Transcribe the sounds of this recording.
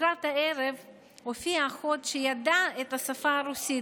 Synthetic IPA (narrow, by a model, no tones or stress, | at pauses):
ɾat̪haeɾev | hofiaxotʃejadaet̪hasafaːɾusi